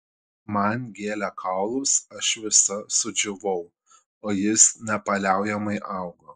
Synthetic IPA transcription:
mɐnʲɡʲeːlʲækʰɐʊlˠʊsɐʃʋʲɪsɐsʊd͡ʒʲʊʋɔʊ | oːjɪsnʲɛpɐlʲæˑʊjɛmɐɪʔɑˑʊɡoː

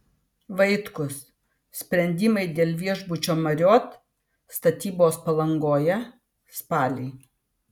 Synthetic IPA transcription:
ʋɐɪt̪kʊs | sʲpʲɾʲɛnʲd̪ʲɪmɐɪd̪ʲeːlʲˠʋʲiɛʒbʊt͡ʃʲoːmɐɾʲoːt̪ | st̪ɐt̪ʲiːboːspɐlˠɐŋɡoːjɛ | spɑːlʲɛɪ

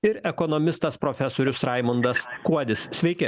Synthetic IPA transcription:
ɪɾɛkɔnɔmʲɪst̪ɐspɾoːfʲɛsoːɾʲʊsɾɑɪmʊnd̪ɐskuɔd̪ʲɪssʲʋʲɛɪkʲɪ

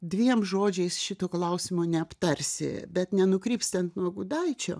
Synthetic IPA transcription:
d̪ʲʋʲiɛmʒoːd͡ʒʲɛɪsʃʲɪt̪oːklˠɐʊsʲɪmonʲɛɐpt̪ɐrʲsʲɪ̰bʲɛt̪nʲɛnʊkɾʲiːpsʲt̪ʲɐnt̪nuɔɡʊd̪ɐɪt͡ʃʲo̰ː

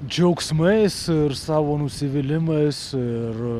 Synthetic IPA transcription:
d͡ʒʲɛʊksmɐɪsɪɾsɑːʋoːnʊsʲɪʋʲɪlʲɪmɐɪsɪɪɾ

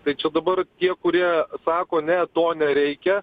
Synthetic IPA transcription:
t̪ɐɪt͡ʃʲɛd̪ɐbɐrt̪ʲiɛkʊɾʲiɛsɑːkoːnʲɛt̪oːnʲɛɾʲɛɪkʲɛ

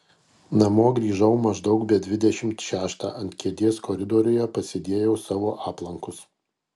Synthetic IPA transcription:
nɐmoːɡɾʲiːʒɐʊmɐʒd̪ɒʊkbʲɛd̪ʲʋʲɪd̪ʲɛʃʲɪmt̪ʃʲæːʃt̪ɑ̰ːʔɐnt̪ʲkʲiɛd̪ʲiːskoːɾʲɪd̪oːɾʲʊjɛpɐsʲɪd̪ʲeːjɛʊsɑːʋoːʔɑːplˠɐŋkʊs

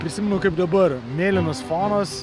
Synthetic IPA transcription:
pʲɾʲɪsʲɪmʲɛnʊkɐɪp̚d̪ɐbɐɾmʲeːlʲɪnosfɑːnos

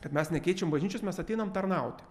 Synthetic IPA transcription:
kɐt̪mʲɛsnʲɛkʲɛɪt͡ʃʲɛmbɐʒʲnʲiːt͡ʃʲʊsmʲɛsɐt̪ʲɛɪnɐmt̪ɐɾnɑʊt̪ʲɪ̥

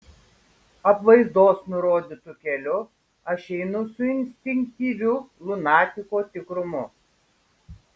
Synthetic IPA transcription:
ɐpʋɐɪzd̪oːsnʊɾoːd̪ʲit̪ʊkʲɛlʲʊ | ɐʃʲɛɪnʊsʊɪnʲsʲt̪ʲɪŋʲk̚t̪ʲiːʋʲʊlˠʊnɑːt̪ʲɪkoːt̪ʲɪkɾʊmʊ

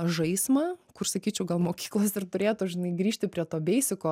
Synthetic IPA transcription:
ʒɐɪsmɐkʊrsɐkʲiːt͡ʃʲɛʊɡɐlˠmoːkʲiːklˠoːsɪrɾt̪ʊɾʲeːt̪ʊʒʲɪnɐɪɡɾʲiːʃʲt̪ʲɪpʲɾʲiɛt̪oːbʲɛɪsʲɪkoː

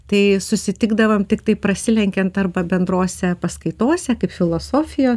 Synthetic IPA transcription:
t̪ɐɪsʊsʲɪt̪ʲɪɡd̪ɐʋɐmt̪ʲɪkt̪ɐɪpɾɐsʲɪlʲɛŋʲkʲɛnt̪ɐrbɐbʲɛnd̪ɾoːsʲɛpɐskɐɪt̪oːsʲɛkɐɪpfʲɪlˠoːsoːfʲɪjoːs

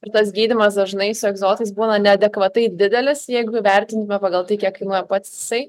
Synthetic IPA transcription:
ɪɾt̪ɐsɡʲiːd̪ʲɪmɐsd̪ɐʒnɐɪsʊɛɡzoːt̪ɐɪs̬buːnɐnʲɛɐd̪ʲɛkʋɐt̪ɐɪd̪ʲɪd̪ʲɛlʲɪsjɛɪɡʊɪʋʲɛɾʲt̪ʲɪnt̪ʊmʲɛpɑːɡɐlˠt̪ɐɪkʲiɛkɐɪnuːjɛpɐt̪sɪsɐɪ

